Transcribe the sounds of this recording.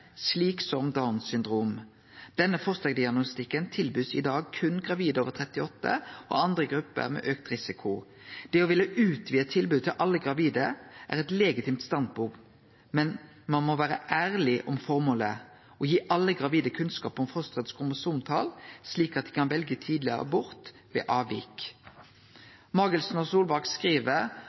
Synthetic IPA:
sliːksɔmd̪aʊnsʏnd̪ɾuːm | d̪̥ɛnːəfɔʁst̪ɑd̪ɪɑɡnʊst̪ɪkːənt̪ʰɪlbʉːsɪ̰d̪ɑːɡ̚kʰʉnɡʁɑʋiːd̪əoːʋət̪ʰʁɛt̪ɪɔt̪ːə̰ʔɔ̰ɑnd̪ʁəɡɾʉpːə̰ɾmɛ̰ːʔøːk̚t̪ɾɪsɪkʰʊ | d̪̥ɛɔʋɪlːəʉːt̪ʰʋiːət̪ʰɪlbʉːt̪ʰɪlʔɑlːəɡʁɑʋiːd̪əʔæ̰ʁɛt̪leːɡɪt̪ʰiːmt̪st̪ɑnd̪̚buːk | mɛn | mɑnmɔʋæːʁəʔæːʁlɪʔɔmfɔʁmoːlə | ɔjiːʔɑlːəɡʁɑʋiːd̪əkʰʉnskɑ̰ːpɔmfɔst̪ʁət̪skʰʊməsʊmt̪ʰɑːlsliːkɑt̪̚d̪ɪkʰɑnʋɛlɡət̪ʰiːd̪lɪə̰ʁə̰bʊʁt̪ | ʋɛ̰ːʔɑːʋḭːk | mɑʁɡəlsnɔsuːlbɑʁkskʁiːʋəɾ

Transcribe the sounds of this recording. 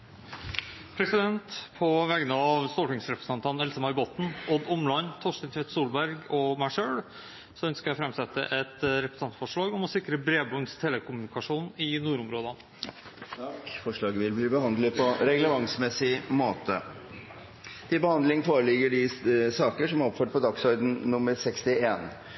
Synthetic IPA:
pʰɾɛsɪd̪ɛnt̪pʰɔʋɛːɡənəɑɑʋst̪ɔʈɪŋsɾɛpɾə̥sənt̪ʰɑnɛlsəmɑɾboːt̪n̩ɔd̪ɔmlɑnt̪ʰɔʂənt̪ʰʋeːt̪suːlbæɾɡɔmæɪʂøːɭ | sɔœnskɑɾjæɪfɾɛmsɛt̪ːə̰ʔɛt̪ɾɛpɾəst̪ɑnt̪fɔʂɭɑːɡɔmɔsɪkːɾəbɾeːbɔŋst̪ʰeːləkʰʊmʉnɪkɑʂuːnɪnuːɾʊmɾoːd̪ɑn | t̪ʰɑkfɔʂɭɑːɡəʋɪlbliːbəhɑnd̪ləpʰɔɾɛɡləʋɑŋsmɛsɪmoːt̪ə̰ | t̪ʰɪlbəhɑnd̪lɪŋənfoːɾəlɪɡəɖɪsɑːkəʂɔmɔpføːʈ̚pʰɔd̪ɑksɔɾd̪n̩nʊməɾsɛkst̪ɪeːn

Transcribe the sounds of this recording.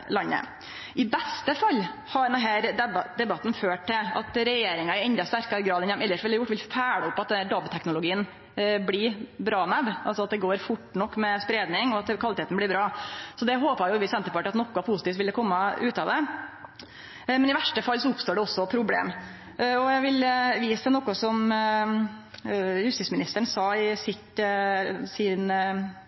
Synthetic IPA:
lɑnːə̰ | ʔɪbɛst̪əfɑlː | hɑɖ̪ɛnɦæːɾd̪ɛbɑt̪ːn̩føːʈʰɪɑ̰t̪ɾɛjeːɾɪŋɑɪɛnd̪ɑst̪æɾkɑɾɡɾɑːd̪ɛnɛmɛlːəʂʋɪləɑjʊʈːʋɪlfʰæːɽəʊpːɑt̪d̪ɛnhæːɖɑbt̪ʰɛknʊlʊɡiːən | blɪbɾɑːnæʋʔɑlsɔɑt̪̚d̪ɛɡoːɾfʊʈːnɔkːmɛspɾeːd̪nɪŋɔɑt̪kʰʋɑlɪt̪ʰeːt̪n̩blɪɾbɾɑːsɔd̪ɛɦoːpɑjʊʋɪsɛnt̪əpɑːʈɑt̪nɔkːɔpʰʊsɪt̪iːt̪ʋɪld̪ɛkʰɔmːɑʔʉːt̪ɑʋd̪ɛ | mɛnɪʋæʂʈəfɑlsɔʊpst̪oːɖɛɔsːɔpʰɾʊblḛːm | ɔjæʋɪlʋiːsənɔkːɔsɔm | hʉst̪ismɪnɪst̪əɳsɑːɪsɪt̪ | sɪn

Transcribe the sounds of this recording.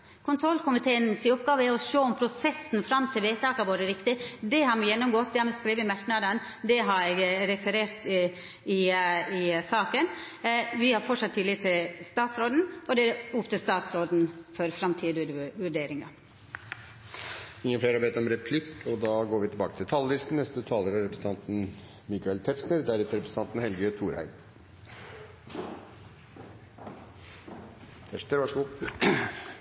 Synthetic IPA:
kʰʊnt̪ʰɾɔlkʰʊmɪt̪ʰeːənsɪʊpɡɑːʋəæɔʃoːɔmpʰɾʊsɛsnfɾɑmt̪ʰɪlʋeːt̪ʰɑːkɑʋoːɾəɾɪkt̪ɪd̪ɛɦɑɾmɛjɛnːɔmɡɔt̪̚ːd̪ɛhɑɾmɛskɾiːʋəɪmæʈɳ̩ɑd̪ɑn | d̪ɛɦɑɾɛɪɡɾɛfəɾeːɾt̪ | ɪɪsɑːkən | ʋɪhɑɾfɔʈʂɑt̪ʰːɪlɪt̪ʰɪlst̪ɑːt̪sɾoːd̪n̩ɔd̪ɛʊpt̪ʰəst̪ɑːt̪sɾoːd̪nfɔɾfɾɑmt̪ʰiːd̪ʉʋʉɖeːɾɪŋɑ | ɪŋːəleːɾhɑɾʋeːt̪ɔmɾɛpʰlɪkːɔd̪ɑɡoːɾʋɪt̪ɪlbɑːkə̥t̪ʰɪlt̪ʰɑlːəɪst̪n̩nɛst̪ət̪ʰɑːləɾɑɾɛpɾsn̩t̪ʰɑnt̪n̩ | mɪkɑɛlt̪ʰɛʂnəɾd̪æɾʉt̪əɾɛpɾəsət̪ɑnt̪n̩hɛlɡət̪ʰuːɾhæ̰ɪ | t̪ʰɛʂəɾʋɑʂu

